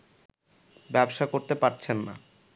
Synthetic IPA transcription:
bɛbʃakoɾt̪epaɾt͡ɕʰenːa̰

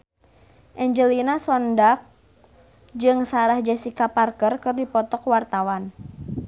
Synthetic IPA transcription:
ʔɛɲd͡ʒəlinasɔndak̚ | d͡ʒɨŋsaɾahd͡ʒɛsikaparkərkɨrdipɔt̪ɔkwart̪awan

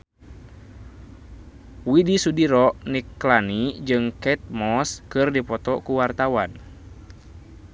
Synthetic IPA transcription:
widisudiɾɔʔnikːlanid͡ʒɨŋkɛt̪̚mɔskɨrdipɔt̪ɔkuwart̪awan

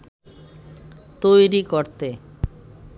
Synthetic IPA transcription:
t̪ojɾikoɾt̪e

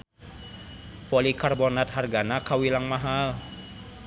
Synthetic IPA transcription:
polikarbonat̪̚harɡanakawilaŋmaɦal

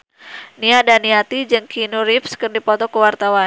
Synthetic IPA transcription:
niadaniat̪id͡ʒɨŋkʰinuɾipskərdipɔt̪ɔkəwart̪awa

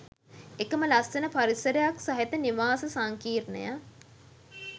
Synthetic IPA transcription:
ekəməlasenəpaɾisəɾəjaksɐɦet̪əniʋaːsəsaŋkiːrnə̰ja

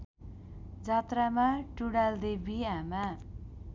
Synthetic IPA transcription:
d͡zat̪ramaʈuɽald̪ebʱiama

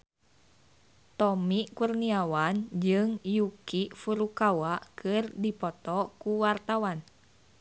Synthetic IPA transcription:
t̪ɔmikurniawand͡ʒɨŋjukifuɾukawakʰɨrdipɔt̪ɔkuwart̪awan

